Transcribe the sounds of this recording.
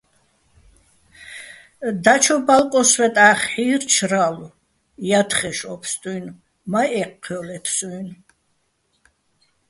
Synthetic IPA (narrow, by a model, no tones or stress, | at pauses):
d̪at͡ʃʰɔbalkʼɔswɛt̪ʼaχħiːɾt͡ʃʰɾalu | jat̪χɛʃɔpʰst̪ʼujn | maɛqʰːɔlɛpʰsujn